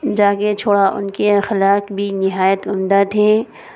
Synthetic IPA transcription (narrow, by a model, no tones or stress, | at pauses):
d͡ʒaːket͡ʃʰoːɽaʔʊ̰nkexɪlaːkbʱinɪɦaːjət̪ʊmd̪at̪ʰẽː